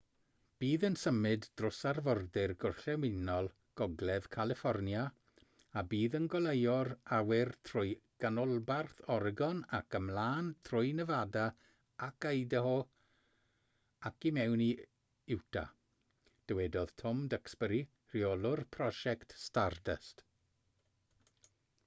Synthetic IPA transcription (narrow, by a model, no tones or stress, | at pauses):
b̥iːðənsəmɨdd̥rʊsarvɔrdɪrɡʊrɬɛwɪnɔlˠ | ɡ̥ɔɡlɛð̥kʰalˠɪfɔrnja | abiːðənɡɔlˠejɔɾawɪrtʰrʊjɡ̥anʊlˠbarθɔrɡɔnakəmlˠaːntʰrʊjnəvada | akəjdəɦo | akimɛwni | ɪwtʰa̰ | d̥əwɛdɔð̥tʰɔmdəksbəɾi | riolˠʊrpʰrɔʃɛktstardə̰st